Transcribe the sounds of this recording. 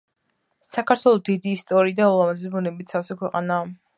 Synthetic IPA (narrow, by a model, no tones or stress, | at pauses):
sakʰaɾt̪ʰwɛlˠɔd̪id̪iːst̪ʼɔɾiːd̪aɔlˠamazisbunɛbit̪̚ʰsʰafsɛkʰwɛqʼa̰naː